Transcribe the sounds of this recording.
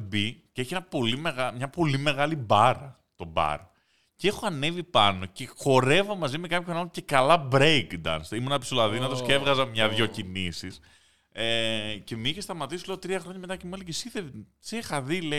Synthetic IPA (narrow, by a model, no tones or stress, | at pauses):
biceeçienɐpo̞limeɣamɲɐpo̞lime̞ɣɐlibɐɾɐ | t̪o̞bɐ̰ɾ | ce̞xoɐne̞vipɐno̞ce̞xo̞ɾe̞vomɐzime̞kɐpçonɐnoce̞kɐlɐbɾejɡd̪ɐ̰nsimunɐpsolɐðinɐt̪o̞skeevɣɐzɐmɲɐðʝo̞cinisis | ece̞miçest̪ɐmɐt̪isile̞ot̪ɾiɐxɾo̞ɲɐme̞t̪ɐcemuelecesiθe | sexɐðile